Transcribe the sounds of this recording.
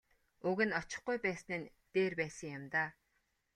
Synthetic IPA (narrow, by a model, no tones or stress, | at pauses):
uɣɘ̆nɔt͡ɕɪ̆χɡujpæːsnĕːn | t̪eːrpæːsə̆ŋjʊmt̪aː